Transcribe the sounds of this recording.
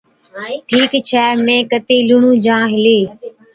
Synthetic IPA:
ʈʰiːkt͡ɕʰɛːmẽːkət̪eːlʊɳũːd͡ʒãːɦɪleː

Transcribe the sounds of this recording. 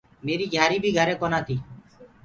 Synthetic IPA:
meːɾiːɡʱaːɾiːbiːɡʱəɾeːkɔnaːt̪iː

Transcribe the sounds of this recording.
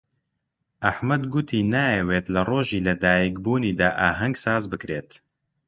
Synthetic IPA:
ʔɐħmɐd̪ɡʊt̪ʰiːnaːjeweːt̪lɐroːʒiːlɐd̪aːjikbuːniːd̪aːʔaːɦɐŋɡsaːzbɨkɾeːt̪

